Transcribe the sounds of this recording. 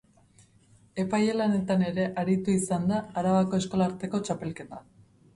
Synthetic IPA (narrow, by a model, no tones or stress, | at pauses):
e̞pajelane̞t̪ane̞ɾe̞ʔaɾit̪uisand̪aːɾaβako̞esko̞laːɾt̪e̞ko̞t͡ʃape̞lke̞t̪a